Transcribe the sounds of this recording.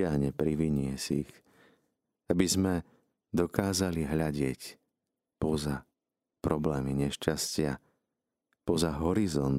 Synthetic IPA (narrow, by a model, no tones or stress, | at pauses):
aɦɲɛpɾiʋiɲɪɛsix | abizmɛ | d̪ɔkaːzaliɦʎaɟɪɛc | pɔza | pɾɔblɛːmiɲɛʃt͡ʃascɪa | pɔzaɦɔɾizɔn